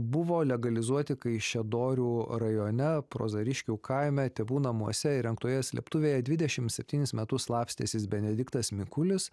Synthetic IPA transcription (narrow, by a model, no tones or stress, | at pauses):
bʊʋoːlʲɛɡɐlʲɪzuɔt̪ʲɪkɐɪʃʲɛd̪oːɾʲuːɾɐjoːnʲɛpɾo̰ːzɐɾʲɪʃʲkʲuːkʰɐɪmʲɛt̪ʲɛʋuːnɐmuɔsʲɛɪɾʲɛŋkt̪uɔjɛsʲlʲḭɛpt̪ʊʋʲeːjɛd̪ʲʋʲɪd̪ʲɛʃʲɪmsʲɛpʲt̪ʲiːnʲɪsmʲɛt̪ʊslˠɑːpʲsʲt̪ʲeːsʲɪsbʲɛnʲɛd̪ʲɪkt̪ɐsmʲɪkʊlʲɪs